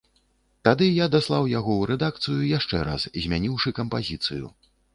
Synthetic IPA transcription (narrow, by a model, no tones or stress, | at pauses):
t̪ad̪ɨjad̪aslˠawjaɣɔwɾɛd̪ak̚t̪sɨjujaʂt͡ʂɛ̰ɾa̰szʲmʲanʲiwʂɨkɐmpazʲit̪sɨjṵ